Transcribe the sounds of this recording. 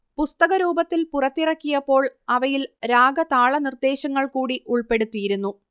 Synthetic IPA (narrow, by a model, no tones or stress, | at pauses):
pust̪ɐɣɐɾuːbɐt̪ːilpurɐt̪ːirɐkːijɐpːo̞ːɭɐʋɐjilɾaːɡɐt̪aːɭɐnird̪e̞ːɕɐŋːɐɭkuːɽiʔuɭpe̞ɽut̪ːujiɾunːu